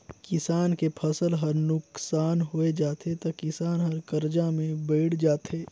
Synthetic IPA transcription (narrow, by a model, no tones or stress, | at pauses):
kɪsaːnkepʰɐsəlɦɐɾnʊksaːnɦoed͡ʒaːt̪et̪ɐkɪsaːnɦɐɾkɐɾd͡ʒamẽbeːɽ̤d͡ʒaːt̪eː